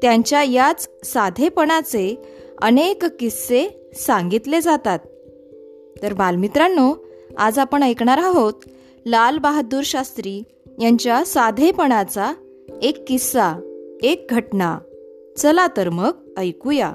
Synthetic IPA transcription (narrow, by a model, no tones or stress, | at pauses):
t̪jaɲt͡ɕjajat͡ssad̪ʱepəɳ̃at͡seə̰nekkise | sãŋɡit̪led͡zat̪at̪̚ː | əɾbalmit̪ɾanːoa̰d͡zapəɳəjkɳaɾaɦot̪ | lalbaɦauːɾɕast̪ɾiː | jaɲt͡ɕjasad̪ʱepəɳ̃at͡sa | ekːisaek̚ɡʱəʈna | t͡səlat̪əɾmək̚ | əjkuja